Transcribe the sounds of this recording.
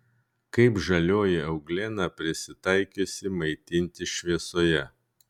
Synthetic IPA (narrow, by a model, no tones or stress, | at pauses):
kɐɪpʒɐlʲoːjɪɐʊɡlʲeːnɑpʲɾʲɪsʲɪt̪ɐɪkʲosʲɪmɐɪt̪ʲɪnʲt̪ʲɪʃʲʋʲiɛsoːjɛ